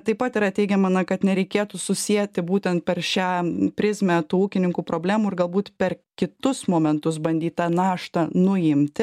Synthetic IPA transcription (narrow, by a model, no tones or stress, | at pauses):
t̪ɐɪpɐt̪ɪɾɐt̪ʲɛɪɡʲɛmɐnɐkɐt̪nʲɛɾʲɛɪkʲeːt̪uːsʊsʲiɛt̪ʲɪbuːt̪ʲɛnt̪̚pʲɛɾʃʲæːpʲɾʲɪzʲmʲæt̪uːuːkʲɪnʲɪŋkuːpɾoːbʲlʲæːmuːɪrɡɐlˠbuːt̪pʲɛɾkʲɪt̪ʊsmoːmʲɛnt̪ʊs̬bɐnʲd̪ʲiːt̪̚t̪ɑːnɑːʃt̪ɐnʊɪmʲt̪ʲɪ